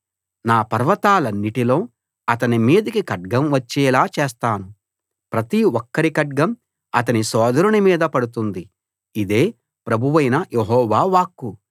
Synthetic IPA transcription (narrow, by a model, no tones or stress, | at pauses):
naːpɐɾʋɐt̪aːlɐnːiʈilo̞ː | ɐt̪̬ɐnimiːd̪ikikɐʈ̚ɡɐmʋɐt͡ʃːɛːlaːt͡ʃeːst̪aːnu | pɾɐt̪iɔkːɐɾikɐʈ̚ɡɐm | ɐt̪̬ɐnisɔːd̪ɐɾunimiːd̪ɐpɐɽut̪und̪i | id̪eː | pɾɐbʱuʋɐjnɐjʔeɦɔːʋaːʋaːkːu